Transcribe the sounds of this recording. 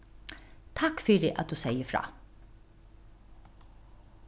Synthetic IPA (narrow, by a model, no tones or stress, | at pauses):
t̪ʰakfyːɾɪʔɑt̪̚d̪ʉːsɛjəfɾɑ̰ː